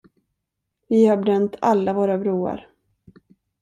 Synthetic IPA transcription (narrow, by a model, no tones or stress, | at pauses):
vɪhabɾœnt̪ʰalːavoːɾabɾuːa̰ɾ